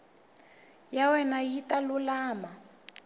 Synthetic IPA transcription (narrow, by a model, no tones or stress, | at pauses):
jawɛnajitʼalulaːma